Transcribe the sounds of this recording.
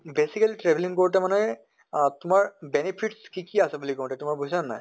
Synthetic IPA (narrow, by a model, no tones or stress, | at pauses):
besikɐlʈɾebliŋkoʈemanaj | t̪ʊmaɹbenepʰiʈskikiasabulikõʈet̪umaɹbʱuisanːa̰j